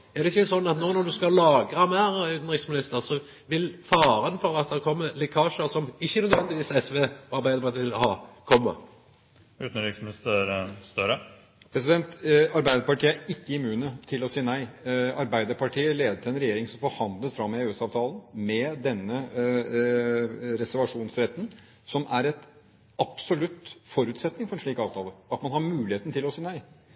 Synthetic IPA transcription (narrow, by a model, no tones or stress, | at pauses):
ɛʁɾd̪ɛɪçːəsɔnːɑt̪nɔnɔd̪ʉskɑlɑːɡɾɑmæɾʉːt̪n̩ɾɪksmɪnɪst̪əɾsɔ | ʋɪlfɑːɾənfɔɾɑt̪̚d̪ɛɾkʰɔmːəlɛkʰɑːʂəɾsɔmɪçːənœd̪ʋɛnd̪ɪʋiːsɛsʋeːɔɑɾbæɪd̪əɾpɑt̪ʰiːhɑkʰɔmːə̰ | ʉːt̪n̩ɾɪksmɪnɪst̪əɾst̪œɾə | pʰɾɛsɪd̪ɛnt̪ɑɾbæɪd̪əɾpɑʈʰiːəæɪkːəɪmʉːnət̪ʰɪlɔsiːənæɪɑɾbæɪd̪əɾpʰɑʈʰiːəleːd̪əʈʰɪlɛnɾɛjeːɾɪŋsɔmfɔɾhɑnd̪lət̪fɾɑmːɛøːɛsɑːʋt̪ʰɑːlənmɛd̪ɛnːə | ɾɛsæɾʋɑʂuːnsɾɛt̪ːən | sɔmæɾɛt̪ | ɑpsɔlʉt̪ːfɔɾʉːt̪sɛt̪nɪŋfɔɾɛnʂɭiːkɑːʋt̪ʰɑːləɑt̪mɑnhɑɾmʉːlɪheːt̪nt̪ʰɪlɔsiːənæɪ